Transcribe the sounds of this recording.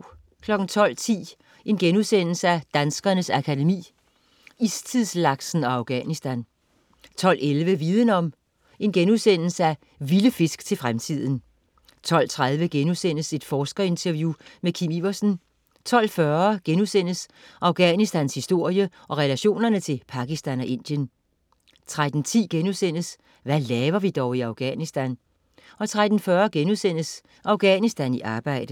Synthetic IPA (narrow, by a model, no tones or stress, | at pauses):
kʰlɒ̽ɡ̥n̩t͡sʰɒ̽l̰t͡sʰḭː | ʔe̝nɡ̥enuðˠsen̰l̩səæd̥ænsɡ̥ɐnəsækʰædemḭː | ist͡sʰiðˠslɑ̈ɡ̥sn̩ɒ̽ɑ̈ʊɡ̥ɛ̰nisd̥æn | t͡sʰɒ̽l̰elʋəʋiːðˠənɒ̽m | e̝nɡ̥enuðˠsen̰l̩səæ | ʋiləfe̝sɡ̥t͡sʰe̝lfʁamt͡sʰið̰ˠn̩ | t͡sʰɒ̽l̰t͡sʰʁað̞ˠʋəɡ̥enusen̰əse̝d̥fɒːsɡ̥ɐe̝nt͡sʰæɐʋjumekʰimiʋɐsn̩ | t͡sʰɒ̽l̰fɶɐɡ̥enuðˠsen̰əsʔɑ̈ʊɡ̥ɛnisd̥ænshisd̥o̝ɐ̰jə | ʔɒ̽ʁɛlæɕo̝̰ːnɐnət͡sʰe̝lpʰɑ̈ɡ̥isd̥ænɒ̽ʔe̝n̰d̥jən | t͡sʰʁad̥n̩t͡sʰḭːɡ̥enusen̰əs | ʋælɛːʋɐʋid̥ɒʊiɑʊɡ̥ɛ̰nisd̥æn | ɒ̽t͡sʰʁad̥n̩fɶɐɡ̥enuðˠsen̰əs | ʔɑ̈ʊɡ̥ɛ̰nisd̥æniʔɑ̈ːb̥ɑ̈ɪ̰d̥ə